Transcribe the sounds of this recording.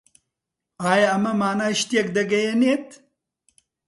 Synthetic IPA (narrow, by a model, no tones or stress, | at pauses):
aːjaɐmɐmaːnaːʃt̪ijɐkd̪ɐɡɐjɐneːt̪